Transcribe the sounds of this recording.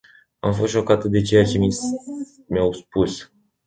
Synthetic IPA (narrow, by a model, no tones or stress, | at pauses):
amfo̞st̪ʃo̞kat̪əd̪e̞t͡ʃe̞jat͡ʃe̞mi | mjawspus